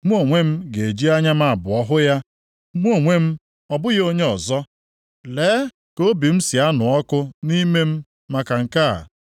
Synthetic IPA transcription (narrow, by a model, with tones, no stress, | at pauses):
mʷ˦o˨ŋʷe˦m̩˦ɡe˨d͡ʒi˦a˦ɲa˦m̩a˨a˨bʊ˨ɔ˦ɦʊ˦ja˦ | mʷ˦o˦˨ŋʷe˦m̩˦ | ɔ˨bʊ˦jo˦ɲe˦ɔ˨zɔ˦ | leː˨˦ | ko˦bi˨m̩˦si˨a˦nʊ˨ɔ˦kʊ˦ni˦me˦m̩˦ | ma˨ka˨ŋ̩˨ka̰˦˨